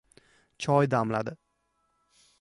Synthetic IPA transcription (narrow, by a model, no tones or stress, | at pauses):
t͡ʃʰɒjd̪amlad̪ɪ